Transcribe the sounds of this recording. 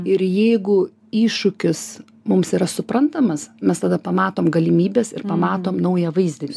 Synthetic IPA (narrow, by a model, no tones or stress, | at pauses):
ɪɾjɛɪɡʊ | iːʃʊkʲɪs | mʊmsiːɾɐsʊpɾɐnt̪ɐmɐsmʲɛst̪ɐd̪ɐpɐmɑːt̪oːmɡɐlʲɪmʲiːbʲeːsɪ̰ɾpɐmɑːt̪oːmnɐʊjɛʋɐɪzʲd̪ʲɪnʲɪ